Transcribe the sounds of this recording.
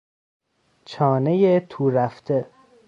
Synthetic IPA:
t͡ʃʰɒːnejet̪ʰuːɾæft̪ʰe

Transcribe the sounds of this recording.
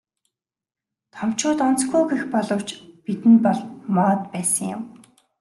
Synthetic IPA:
t̪ʰɔm̥t͡ɕʊːt̪ɔn̥t͡sɡuːɡexpɔɮɞ̆w̥t͡ɕpit̪ɘ̆npɔɮmɔːt̪̚pæːsə̆ŋjʊ̰m

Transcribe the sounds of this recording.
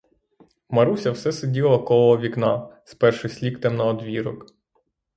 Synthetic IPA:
mɐɾusʲɐwsɛsɪdʲilˠɐkɔlˠɔɔʋʲiknɑspɛrʃɪsʲlʲikt̪ɛmnɐɔd̪ʋʲiɾɔk

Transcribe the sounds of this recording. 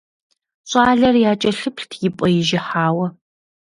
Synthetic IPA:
ɕʷʼaːɮɐrjaːt͡ʃʼɐɬɨpʰɬtʰjɪpʼɐjɪʒɪħaːwɐ

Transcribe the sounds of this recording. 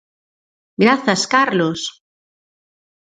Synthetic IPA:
ɡɾaθaskaɾlos

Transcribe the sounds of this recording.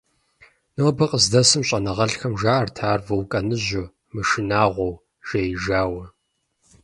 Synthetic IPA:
nɨwbɐqʼəzdɐsɨmɕʼɐnɐʁɐɬxɐmʒaːɐrtʰaːrvɐwkʼɐnɨʑʊ | mɨʃɪnaːʁʷɔw | ʒ̥ejʒaːwɐ

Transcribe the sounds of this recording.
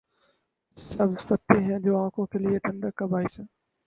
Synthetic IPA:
səbfət̪ːeːɦɛ̃ːd͡ʑoːãːkʰõːkʰeːlɪeʈʰə̃ɳɖəkːəbʱaːiːsə̃ː

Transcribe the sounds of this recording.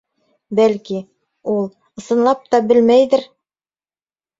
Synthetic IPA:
bælki | ulˠ | ɤ̆sɤ̆nlˠɑp̚t̪ɑbɘlmæjðɘɾ

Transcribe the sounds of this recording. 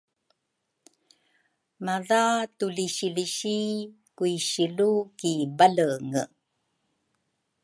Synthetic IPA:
maðatuliɕiliɕi | kuiɕilukibaləŋə

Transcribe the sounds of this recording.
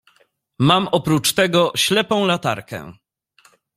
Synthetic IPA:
mamʔɔpɾut͡ʂt̪ɛɡɔɕlɛpɔ̃w̃lat̪a̰ɾkɛ̰̃

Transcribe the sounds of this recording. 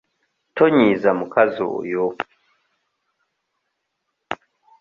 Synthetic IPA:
tɔɲizamukazo̰ʔjo

